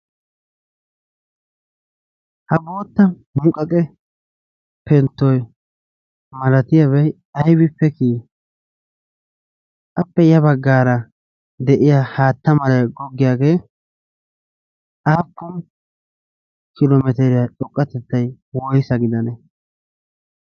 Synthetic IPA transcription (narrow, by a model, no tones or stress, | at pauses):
hɐbo̞ːt̪ːɐ | mʊkʼːɐkʼɛ | pɛnt̪ːɔj | mɐlɐt̪ɪjaβɛj | ɐjbɪpːɛkiː | ʔɐpːɛjɐbɐɡːaːɾɐ | d̪ɛʔɪjaːhaːt̪ːɐmɐlɐɡɔɡːɪjaːɡeː | ʔaːkːʊn | kɪlomɛt̪ɛɾɪjɐᶑɔkʼːɐt̪ɛt̪ːɐj | wɔjɪsɐɡɪd̪ɐnɛ